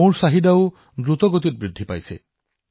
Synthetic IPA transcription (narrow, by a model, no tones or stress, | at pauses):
oɹsaɦid̪aʊ | dɹut̪ɔɡot̪it̪̚bɹid̪ʱːipa̰jsḛ